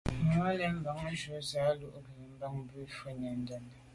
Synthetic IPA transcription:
ŋɔ˨˦lɛ˨˦m̩˦ba˨˦ŋ˦ʒo˨˦za˨˦lu˦ʔɡi˨ne˨m̩˦ba˦ŋm˦bʉ˦fə˦ɲa˨n̩˦dɛ˦n˨

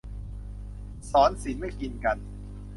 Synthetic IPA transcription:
sɔː˩˦nsi˩˦nma˥˩jki˧nka˧n

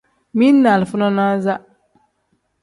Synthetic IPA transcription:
mi˦nː˦a˨lfʊ˦nɔ˦na˦za˦

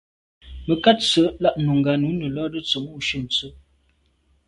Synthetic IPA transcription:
mə˨ka˦t̚t͡sə˨˦la˦ʔnu˨ŋ˨ɡa˨nu˨˦nə˨lɔ˦də˦t͡sɔ˨mu˦˨ʃə˦˨n̩˨t͡sə˦

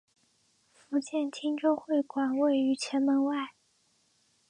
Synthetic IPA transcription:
fu˧˥t͡ɕjɛ˥˩nt̪ʰi˥ŋʈ͡ʂo˥˧ʊxwe˥˩ɪkwa˨˩nwe˥˩ɪy˧˥t͡ɕʰjɛ˧˥nmə˧˥nwa˥˩ɪ

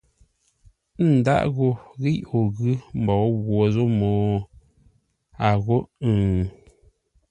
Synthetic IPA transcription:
n̩˨da̰˦˨ʔɣo˨ɣi˦o˨ɣʉ˦m̩˨bɔ˨˦ɣwo˨zo˦moː˨ | a˨ɣo˦ʔ

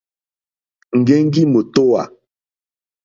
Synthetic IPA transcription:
ŋ̩˨ɡe˦ŋ˦ɡi˦mo˨to˦wa̰˨

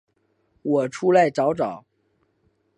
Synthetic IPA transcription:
wɔ˨˩ʈ͡ʂʰu˥la˧˥˩ɪʈ͡ʂɑ˧˥ʊʈ͡ʂɑ˨˩˦ʊ

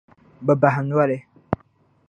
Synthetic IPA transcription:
bɛ˨ba˨ɦɪ˨nu˦a˦lɪ˦

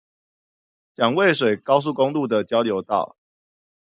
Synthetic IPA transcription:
t͡ɕjɑ˨˩ŋwe˥˨ɪʂ̬we˨˩ɪkɑ˥˦ʊs̬u˥˨ko˦ŋlu˥˨d̪ə˨t͡ɕjɑ˥˦ʊljo˨˧˦ʊt̪ɑ̰˥˨ʊ

